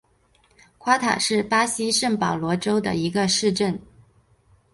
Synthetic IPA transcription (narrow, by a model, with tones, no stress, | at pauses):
kʰwa˥t̪ʰa̰˨˩ʂɻ̩˥˩pa˥ɕi˥ʂə˥˩ŋpɑ˨˩ʊlwɔ˧˥ʈ͡ʂo˥ʊd̪ə̰˨˩i˧˥ɡə˧ʂɻ̩˥˧ʈ͡ʂə˥˩n